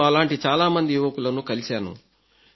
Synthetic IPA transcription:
ɐlaːɳʈit͡ʃaːlaːmɐnd̪ijuʋɐkulɐnukɐlisaːnṵ

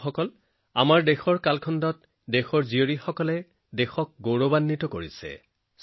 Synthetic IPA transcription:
xɔkɔl | a̰maɹdexɔɹkalkʰɔndɔt | dexɔɹzioɹixɔkɔlɛ | dexɔk̚ɡoɹobanːitɔkoɹisɛ̰ | s

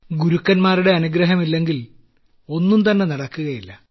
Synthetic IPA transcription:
ɡuɾukːɐnmaːɾuɽe̞ɐnuɡɾɐɦɐmilːe̞ŋɡil | o̞nːumt̪ɐnːe̞nɐɽɐkːuɣɐjilːɐ

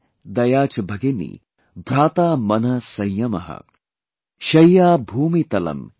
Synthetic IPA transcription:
d̪ɐjaːt͡ʃɐbʱɐɡenḭ | bʱɾaːt̪aːmɐnɐsɐjjɐmɐ̰ɦɐ̰ | ʃɐjjaːbʱuːmit̪ɐlɐ̰m

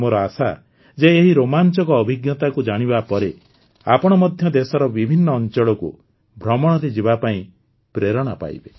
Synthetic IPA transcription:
moɾɔasa̰ | d͡ʒeːɦiɾomant͡ʃɔkɔːbʱiɡjɔt̪akud͡ʒaɽ̃ibapɔɾe | apɔɽ̃ɔmɔd̪ʱjɔd̪esɔɾɔbibʱinːɔːnt͡ʃɔɭɔkṵ | bʱɾɔmɔɽ̃ɔɾid͡ʒibapaĩ | pɾeɾɔɽ̃apa̰jbe

